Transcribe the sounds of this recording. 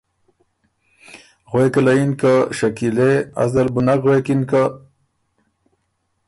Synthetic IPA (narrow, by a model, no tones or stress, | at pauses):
ɣwekalainkaʃakilea̰zd̪albʊnakɣwekinka